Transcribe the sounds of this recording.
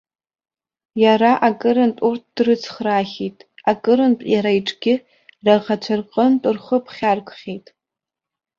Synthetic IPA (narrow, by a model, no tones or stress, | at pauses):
jaɾaʔakʼɨɾɨntʷʼurt̚ʰd̥rɨt͡sʰχraːχʲitʼakʼɨɾɨntʼjaɾaiʈ͡ʂʼɡʲɪ | raʁat͡ɕʷʰarqʼəntʼɨrχəpʰχʲarkʷʼχʲejtʼ